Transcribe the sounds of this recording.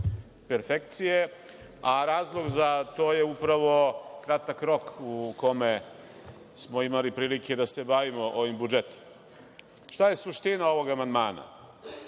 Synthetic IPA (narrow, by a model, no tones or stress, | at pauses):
peɾfekt̪sije | aɾaːzlˠo̞ɡzat̪oːje̞upɾaʋo̞kɾat̪akɾo̞kuko̞me | smo̞imalipɾiːlike̞d̪ase̞baʋimoʔoʋimbud͡ʒet̪o̥m | ʃt̪aje̞suʃt̪inao̞ʋo̞ɡamand̪maːna̰